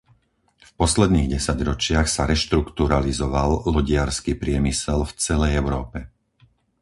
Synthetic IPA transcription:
fpɔslɛd̪niːɣɟɛsaɟɾɔt͡ʃɪaxsaɾɛʃt̪ɾukt̪uɾalizɔʋallɔɟɪaɾskiːpɾɪɛmisɛlft͡sɛlɛjɛʊɾɔːpɛ

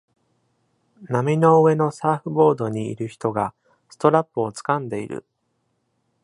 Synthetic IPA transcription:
namʲino̞ɯe̞no̞saːɸɯ̟bo̞ːd̪o̞ɲ̟ḭːɾɯ̟çi̥t̪o̞ɡa | sɨ̥t̪o̞ɾapːɯo̞t͡sɨ̥kãnd̪e̞ḭɾɯ̰

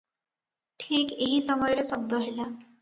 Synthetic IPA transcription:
ʈʰiːkeɦisəməjlsəb̚d̪ʱəɦəjla

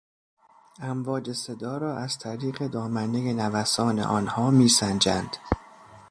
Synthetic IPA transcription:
ʔæmvɒːd͡ʒe̞se̞d̪ɒːɾɒːʔæz̥t̪ʰæɾiːɢe̞d̪ɒːmæne̞jenævæsɒːne̞̰ʔɒːnhɒːmiːsænd͡ʒænd̪̥

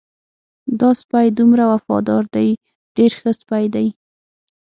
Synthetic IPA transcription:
d̪ɑspajd̪umɾawafɑ̰d̪ɑɾd̪aj | ɖ̥eɾxəspajd̪aj

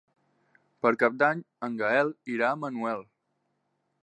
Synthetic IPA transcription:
pəɾkap̚d̪aɲ | əŋɡəɛliɾaəmənuɛlˠ

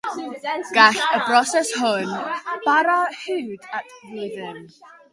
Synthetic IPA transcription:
ɡ̥aɬəbrɔsɛshʊnb̥aɾahʉwdatʰvɪðɪn

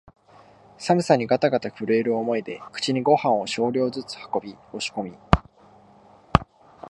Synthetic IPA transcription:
samɯ̟saɲ̟iɡat̪aɡat̪aɸɯ̟ɾe̞ːɾɯ̟omo̞id̪e̞kɯ̟̥t͡ɕiɲ̟iɡo̞hãɰ̃o̞ɕo̞ːɾʲo̞ːzɨt͡sɨ̥hḁko̞bʲio̞ɕi̥ko̞mʲi

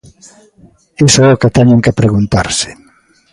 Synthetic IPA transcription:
esoɛoket̪ɛɲeŋkepɾeɣunt̪aɾsɪ̥

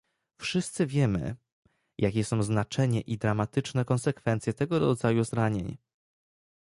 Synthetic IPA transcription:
fʂɘst̪sɘvʲjɛmɘ̰ | jʔakʲɛsɔ̃w̃znat͡ʂɛɲɛʔid̪ɾamat̪ɘt͡ʂnɛkɔnsɛkfɛnt̪sjɛt̪ɛɡɔɾɔ̰d̪zajuzɾaɲḛɲ

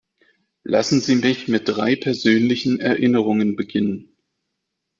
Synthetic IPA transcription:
lʔa̰sn̩ziːmɪçmɪt̚d̥ʁaɪpʰɛɐzøːnlɪçn̩ɛɐʔɪnəʁ̞ʊŋənbəɡɪnən

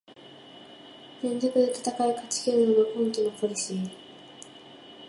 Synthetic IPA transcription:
ɡ̥ẽ̞nd͡ʑokɯ̟d̪e̞t̪ḁt̪akaɯ̟kat͡ɕi̥kʲeɾɯnonokoĩŋk̪ʲinoko̞ɾʲiɕin

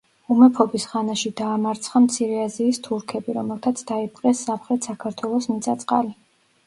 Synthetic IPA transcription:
umɛpʰɔbisʁanaʃid̪aːmaɾt̪sʰχamt̪sʰiɾɛaziːst̪ʰuɾkʰɛbiɾɔmɛlˠt̪ʰat̪sʰd̪̥aip̚ʼqʼɛsːamχɾɛt̪ʰsakʰaɾt̪ʰwɛlˠɔsmit̪sʼat̪sʼqʼali

